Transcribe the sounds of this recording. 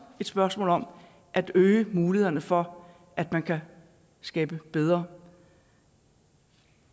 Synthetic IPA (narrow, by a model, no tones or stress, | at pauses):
e̝d̥sb̥ɶɐsmɔ̰̽ːlɒ̽m | ʔæd̥øːɪəmuːlihe̝ðˠɐnəfɒ̽ | ʔæd̥mænkʰæ | sɡ̥ɛːb̥əb̥eð̞ˠʁɐ